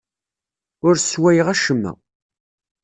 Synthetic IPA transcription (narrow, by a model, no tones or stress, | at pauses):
ʊɾswæjʁæʃəmːæ̰